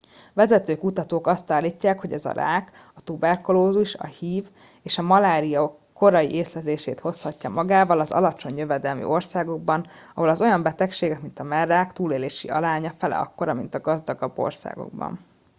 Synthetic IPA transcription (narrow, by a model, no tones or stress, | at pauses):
vɛzɛt̪øːkut̪ɒt̪oːkɒst̪aːlːiːcːaːkho̞ɟɛzɒ̰ɾa̰ːk | ɒt̪ubɛrkoloːzuʃɒ̰hiːv | eːʃɒmɒlaːɾijɒ | kːo̞ɾɒjḭʔeːslɛzeːʃeːt̪ho̞shɒcːɒmɒɡaːvɒlɒzɒ̰lɒt͡ʃo̞ɲjø̞vɛd̪ɛlmḭo̞rsaːɡo̞ɡ̚bɒn | ɒɦo̞lɒzo̞jɒmbɛt̪ɛkʃeːɡɛkmint̪ɒmɛrːaːkt̪uːleːleːʃiɒlaːɲɒfɛlɛ̰ɒ̰kːo̞ɾɒmint̪ɒɡɒzd̪ɒɡɒbːo̞̰rsa̰ːɡo̞̰ɡ̚bɒ̰n